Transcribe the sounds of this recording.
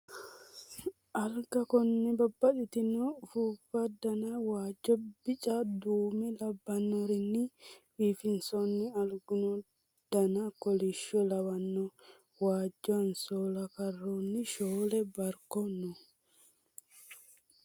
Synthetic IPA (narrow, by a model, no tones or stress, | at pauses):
ʔɐlɡɐkɔnːɛbɐbːɐɗɪt̪ɪnɔfuːbɐd̪ɐnɐwaːd͡ʒːɔbɪt͡ʃʼɐd̪uːmɛlɐbːɐnːɔɾɪnːɪfiːfɪnsɔnːɪɐlɡʊnɔ | d̪̥ɐnɐkɔlɪʃːɔlɐwɐnːɔ | waːd͡ʒːɔɐnsoːlɐkɐrːonːɪʃoːlɛbɐɾkɔnːɔ